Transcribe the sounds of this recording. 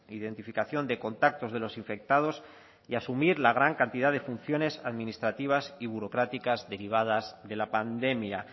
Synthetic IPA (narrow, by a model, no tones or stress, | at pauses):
iðent̪ifikaθjo̞nd̪e̞ko̞nt̪ak̚t̪o̞zð̞e̞lo̞siɱfe̞k̚t̪að̞o̞s | iasumiɾlaɣ̞ɾaŋkant̪iðaðe̞funθjo̞ne̞saðmĩnist̪ɾat̪iβ̞asiβ̞uɾo̞kɾat̪ikazðe̞ɾiβ̞aðazðe̞lapand̪e̞mja